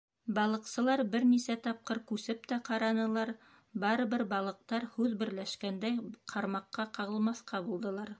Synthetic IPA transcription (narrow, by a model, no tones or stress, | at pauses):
bɑlˠɤ̆qsɤ̆lˠɑɾbɘɾnisæt̪ɑp̚qɤɾkʉsɘp̚t̪æqɑɾɑnɤ̆lˠɑɾ | bɑɾɤ̆βɘɾbɑlˠɤ̆q̚t̪ɑɾhʉðbɘ̆ɾlæʃkænd̪æjqʰɑɾmɑqːɑqɑʁɤ̆lˠmɑθqʰɑbulˠd̪ɤ̆lˠɑɾ